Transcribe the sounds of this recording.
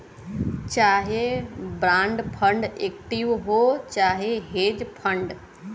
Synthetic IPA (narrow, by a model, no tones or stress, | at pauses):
t͡ɕaːɦebɾãːɳɖpʰə̃ɳɖeːkʈiʋɦot͡ɕaːɦeɦeːd͡ʒpʰə̃ɳɖ